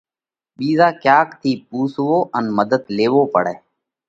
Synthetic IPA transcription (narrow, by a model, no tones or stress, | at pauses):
ɓiːzaːkjaːkt̪ʰiːpuːsʋoːʔənməd̪əd̪leːʋoːpə̰ɽɛː